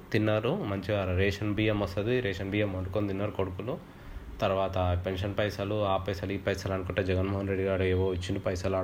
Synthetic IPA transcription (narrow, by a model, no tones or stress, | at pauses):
t̪inːaːɾumɐɲt͡ʃiʋaːɾɾeːʂɐnbiːjɐmɐst̪ɐd̪iɾeɛːʃɐnbiːjɐmɐɳɖukond̪inːaːɾukoɽukulu | t̪ɐɾʋaːt̪ɐpe̞nʂɐnpɐjsɐluaːpɐjsɐliːpɐjsɐːlɐnkuʈːɐd͡ʒɛɡɐnmoːɦɐnɾe̞ɖːiɡaːɾueːʋoːʋit͡ʃːind̪ipɐjsɐlaː